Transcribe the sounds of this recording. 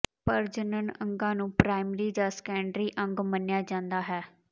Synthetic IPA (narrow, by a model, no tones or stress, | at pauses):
pəɾd͡ʒənənə̃ŋɡãːnũːpɾaːɪmɾiːd͡ʒaːskɛːɳɖɾiːʔəŋɡmənɪjaːd͡ʒãːnd̪aːɦɛː